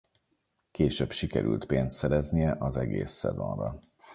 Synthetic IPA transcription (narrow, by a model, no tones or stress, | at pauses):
keːʃøːbʃikɛɾʔy̰lt̪peːnst̪sɛɾɛznijɛʔɒzɛɡeːsːɛ̰zo̞̰nrɒ